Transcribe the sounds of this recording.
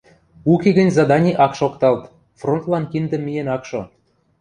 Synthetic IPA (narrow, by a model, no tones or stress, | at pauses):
ukeɡə̆nʲzɑd̪ɑnʲiʔɑkʃokt̪ɑlt̪ | front̪lɑnkind̪ə̆mʲːijenɑkʃŏ